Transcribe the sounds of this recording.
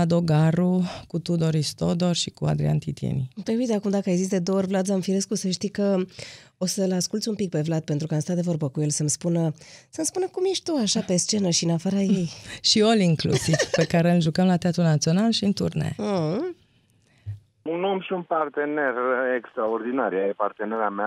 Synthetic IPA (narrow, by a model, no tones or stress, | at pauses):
ad̪o̞ɡaɾukut̪ud̪o̞ɾist̪od̪o̞rʃikua̰d̪ɾḭa̰nt̪it̪ijḛnit̪ɾebuijt̪akumd̪akəajzisd̪e̞d̪oorʲvlat̪zamfiɾeskusəʃt̪ikə | o̞səlaskult̪sʲumpik̚pe̞vlat̪̚pe̞nt̪ɾukəamst̪at̪d̪e̞vo̞rbəkuje̞lsəmspunəsəmspunəkumje̞ʃt̪ʲt̪uaʃape̞st͡ʃe̞nəʃiɨnafaɾaje̞jʃioliŋklṵsiv̥pe̞kaɾeɨlʒukəmlat̪eat̪ɾunat̪sio̞nalʃiɨnt̪ṵrnḛ | unomʃiunpart̪e̞ne̞rekst̪ɾaord̪inaɾjajepart̪eneɾeamea